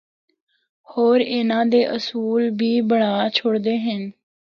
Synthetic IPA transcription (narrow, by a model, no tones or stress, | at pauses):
hoːɾɪnãːd̪eːʔəsuːlbʱiːbəɽaːt͡ʃʰʊɽd̪eːɦən